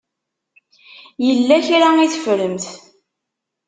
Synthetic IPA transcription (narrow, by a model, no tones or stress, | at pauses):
jəlːæçɾaiθə̥fɾəmθ